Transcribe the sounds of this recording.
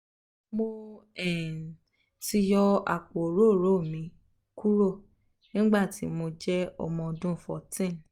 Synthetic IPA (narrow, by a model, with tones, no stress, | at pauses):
mo˧ɛ˨ | ti˧jɔ˧a̰˨k͡po˨ɾo˦˨ɾo˦˨mĩ˨˦ | ku˦ɾo˦˨ | nĩ˦ɡ͡ba˦˨ti˨˦mo˧d͡ʒɛ˦ɔ̰˧mɔ̃˧dũ˦fɔ̰˨tĩ˦˨